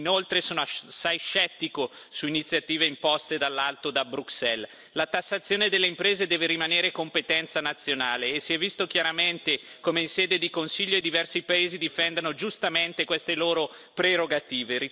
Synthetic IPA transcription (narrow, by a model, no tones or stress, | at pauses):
nolt̪ɾesoːnoasːajʃɛt̪ːikosuinit̪sjat̪iːveimpɔst̪ed̪alːalt̪od̪abɾuksɛl | lat̪asːat̪sːjoːned̪elːeimpɾeːzed̪ɛːveɾimaneːɾekompet̪ɛnt̪sanat̪sːjonaːleːsiɛvːist̪ok̟jaɾament̪ekomeinseːd̪ed̪ikonsiʎːoed̪ivɛrsipaeːzid̪ifɛnd̪anod͡ʒust̪ament̪ekwest̪eloːɾo | pɾeɾoɡat̪iːveɾi